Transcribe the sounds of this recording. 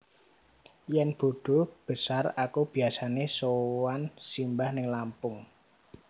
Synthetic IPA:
jɛnb̥o̤ɖ̥o̤b̥ə̤sarakub̥i̤asanesowansimbahnɪŋlampʊŋ

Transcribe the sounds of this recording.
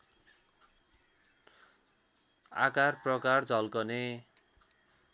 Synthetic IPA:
a̰karprʌkard͡zʱʌlkʌne

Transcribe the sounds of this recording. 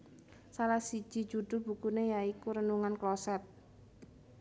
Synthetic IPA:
salahsi̥ʒ̥i̤̥d͡ʒ̥ud̪ʊlb̥ukunejaikuɾənuŋanklɔsɛt̪̚

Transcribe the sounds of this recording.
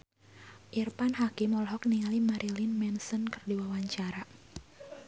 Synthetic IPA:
ʔirpanɦakimɔlɦɔk̚niŋalimaɾʔilinmɛnsənkərdiwawaɲt͡ʃaɾa

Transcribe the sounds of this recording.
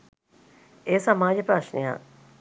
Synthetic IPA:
eːsamaːd͡ʒəpɾaʂnḛja̰ː

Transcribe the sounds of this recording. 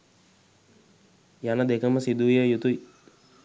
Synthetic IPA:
janəd̪ekəməsid̪uʋjəjut̪ui

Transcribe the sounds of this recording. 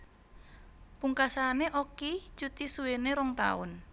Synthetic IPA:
puŋkasaneʔoki̥t͡ʃut̪isuweneɾɔŋt̪a̰ʊ̰n

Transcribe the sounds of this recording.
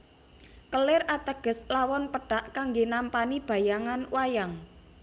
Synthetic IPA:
kəlɪrat̪əɡ̥ə̤slawɔnpəɖ̥aʔkaŋɡenampanib̥a̤jaŋanwʔajaŋ

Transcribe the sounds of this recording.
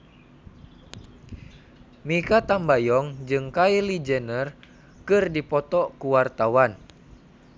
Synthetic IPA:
mikat̪ambajɔŋd͡ʒɨŋkailid͡ʒɛnər | kɨrdipɔt̪ɔkuwart̪awan

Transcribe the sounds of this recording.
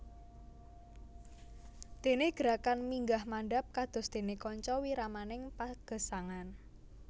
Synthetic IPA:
d̪̥e̤neɡ̥əɾakanmiŋɡahmaɳɖap̚kad̪̥ʊ̤sd̪̥e̤nekɔɲt͡ʃɔwiɾamanɪŋpaɡ̥ə̤saŋan

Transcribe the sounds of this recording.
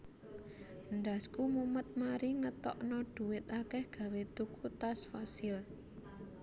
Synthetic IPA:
nɖ̪askumumət̪̚maɾiŋət̪ɔ̰ʔnɔɖ̥ṳwɪt̪̚akɛhɡ̥a̤wet̪ukʰut̪asfasɪl

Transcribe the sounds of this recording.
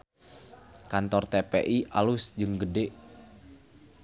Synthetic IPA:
kant̪ɔrt̪epḛʔiʔalʊsd͡ʒɨŋɡədeʔ

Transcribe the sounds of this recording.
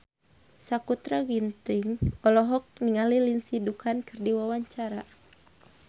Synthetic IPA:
sakut̪ɾaɡint̪ɪŋɔlɔɦɔk̚niŋalilinsidukʰankɨrdiwawaɲt͡ʃaɾa

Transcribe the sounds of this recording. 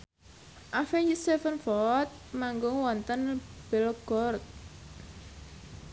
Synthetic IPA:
ʔafɛnd͡ʒist̪efənfɔt̪̚maŋɡʊŋwɔnt̪ənb̥ɛlɡ̥ɔrt̪̚

